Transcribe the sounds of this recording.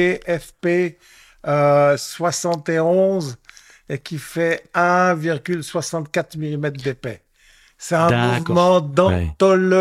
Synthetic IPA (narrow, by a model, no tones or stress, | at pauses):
eʔɛfpe | øswasɑ̃t̪eɔ̃z | ekʲifɛɛ̃viʁɡʲylswasɑ̃t̪kat̪χmilimɛt̪χd̪epɛ | sɛt̪ɛ̃muvmɑ̃d̪ɑ̃t̪ɔl